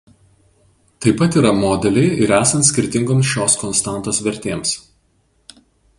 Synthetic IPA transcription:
t̪ɐɪpɐt̪iːɾɐmoːd̪ʲɛlʲɛɪɪɾæːsɐnt̪sʲkʲɪɾʲt̪ʲɪŋɡoːmsʃʲoːskɔnst̪ɑˑnt̪oːsʋʲɛɾʲt̪ʲeːms

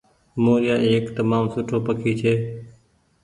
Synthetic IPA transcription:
moːɾɪjaːeːkt̪əmaːmsʊʈʰoːpəkʰiːt͡ʃʰeː

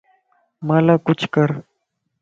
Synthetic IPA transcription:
maːlaːkʊt͡ʃʰkəɾ

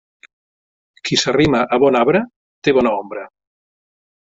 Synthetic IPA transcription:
kʰisarimaʔaβɔnaβɾɐ | t̪eβɔnaombɾɐ

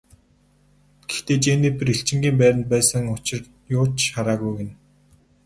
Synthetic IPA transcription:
ɡ̥ext̪eːt͡ɕenep̆ɾiɬt͡ɕɪ̆ŋɡʲiːmpæːɾʲɪ̆nt̪pæːsə̆ŋʊt͡ɕɪ̆r | jʊːt͡ɕχaɾaːɣujɡĕn

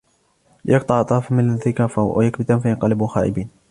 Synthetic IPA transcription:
jɑk̚t̪ˤɑʕt̪ˤɑːfmɪnðɪkafawjakbɪt̪amfajɑnqɑlɪbuxaːʔɪ̰biːn

